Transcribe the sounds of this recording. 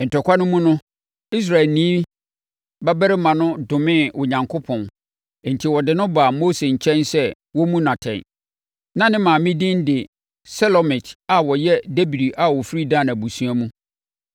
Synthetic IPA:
n̩˨tʰɔ˨kʷa˦nʊ̃˦mũ˦nʊ̃˦ | i˦s̬ɾa˨ɛ˨lnĩː˦ | ba˦bɛ˦ɾɪ˦mã˨nʊ̃˦dʊ̃˨mɪ̃˦˨ʊ˨ɲã˨ŋkʰo˦pʰɔ̃˨n˨ | n̩˨tʰi˨wɔ˨dɪ˨nʊ̃˦baː˨moː˦se˨ɲ̩˨t͡ɕʰɛ̃˦nsɛ˦ | wɔ˦mũ˦nã˨tʰɛ̰̃˨n | nã˦nɪ̃˦mãː˨mĩ˦dɪ̃˦n˦dɪ˨ | sɛ˦lɔ˨mɪ˨tʰa˨wɔ˨jɛ˦de˦bi˨di˨ʔa˨wɔ˨fi˦ɾi˦dã˦˨na˨bu˨sũ˦a˦mũ˦

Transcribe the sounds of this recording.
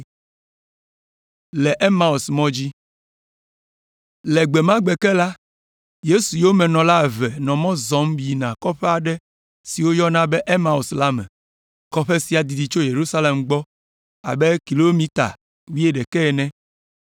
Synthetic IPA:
lɛ˨ʔe˦ma˦o˨smɔ̃˦d͡ʑi˦ | lɛ˨ɡ͡be˨mã˦ɡ͡bɛ˨kɛ˦la˦ | je˦su˨jo˦mɛ̃˨nɔ̃˨la˦˨vɛ˨nɔ̃˨mɔ̃˦zɔ̃˨˦mbi˨nã˨kɔ˦ɸɛ˦a˨ɖɛ˦ | si˨wo˦jɔ˦nã˦bɛ˦ʔe˦mã˦o˨sla˦mɛ̰̃˨ | kɔ˦ɸe˦si˦a˨d̪i˨d̪i˨t͡ʃo˦je˨ɾu˦sa˦le˨mɡ͡bɔ˦ | a̰˨be˦ki˨lo˦mĩ˦t̪a̰˨ | wi˦e˦ɖɛ˨kɛ˦˨nɛ̃˦

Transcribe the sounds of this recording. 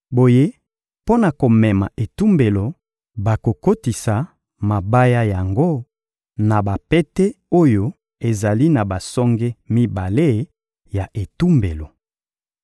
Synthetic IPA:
bo˨je˦ | po˦na˨ko˨mɛ˨ma̰˨ʔe˨tu˦mbe˨lo˨ | ba˨ko˨ko˦ti˨sa˨ | ma˨ba˦ja˦ja˨ŋɡo˦ | na˨ba˨pe˦te˦o˦jo˦ | e˨za˨li˦na˨ba˨sɔ˦ŋɡe˦mi˦ba˨le˦ | ja˨ʔe˨tu˦mbe˨lo˨

